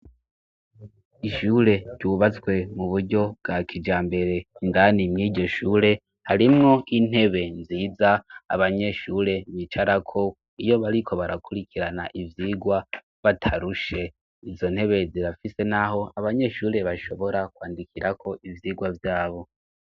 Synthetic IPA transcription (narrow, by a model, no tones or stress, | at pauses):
iʃuːɾe̞ɾɟuːβat͡swe̞muβuɾɟo̞bɡakʰid͡ʒaːmbe̞ɾe̞indanimŋiːɟo̞ʃuːɾe̞ | haɾimŋo̞ʔin̥he̞βe̞nziːza̰ːβaɲe̞ʃuːɾe̞mit͡ʃaɾakʰo̞ | ijo̞βaɾikʰo̞βaɾakuɾikʰiɾana̰ʔivjiːɡwa | βatʰaɾuʃe̞ | izo̞n̥he̞βe̞ziɾafise̞naho̞aβaɲe̞ʃuːɾe̞βaʃo̞βo̞ɾakwaːndikʰiɾakʰo̞ʔivjiːɡwavjaːβo̞